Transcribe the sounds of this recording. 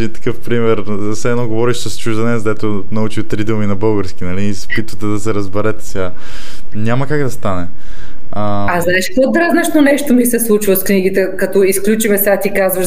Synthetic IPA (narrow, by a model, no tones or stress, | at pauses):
ɛd̪int̪ə̥kɤfpɾimɛɾ | sɛɛnɔɡovɔɾiʃsəst͡ʃuʒd̪ɐnɛsd̪ɛt̪o | nɐut͡ʃit̪ɾid̪əminɐbɤlˠɡəɾsk̟inɐlispit̪vət̪ɛd̪ɐsɛɾɐzbɛɾɛt̪ɛ̥sɛɡanʲamɐkaɡd̪ɐst̪anɛ | əaznaɛʃpod̪ɾaznɐʃnonɛʃt̪omisɛslˠut͡ʃvɐskniɡit̪ɛkɐt̪ɔisklʲut͡ʃivɛsat̪ikazvɐʃ